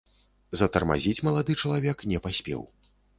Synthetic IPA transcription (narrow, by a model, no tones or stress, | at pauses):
zɐt̪ɐrma̰zʲit͡sʲmɐlˠad̪ɨt͡ʂɐlˠavʲɛknʲɛpasʲpʲɛ̰w